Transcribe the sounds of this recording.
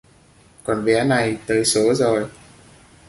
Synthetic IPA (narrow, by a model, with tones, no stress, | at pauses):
kɔ˨˩nɓɛ˨˦na˨˩jt̪əː˨˦jso˨˦zo˨˩j